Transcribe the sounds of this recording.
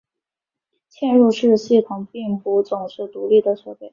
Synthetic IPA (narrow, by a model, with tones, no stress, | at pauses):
t͡ɕʰjɛ˥˧nɻu˥˧ʂɻ̩˥˧ɕi˥˩t̪ʰʊ˨˩ŋpi˥˩ŋpu˧˥t͡sʊ˨˩ŋʂɻ̩˥˩t̪u˧˥li˥˩d̪ə˩ʂɤ˨˥˩pe˥˩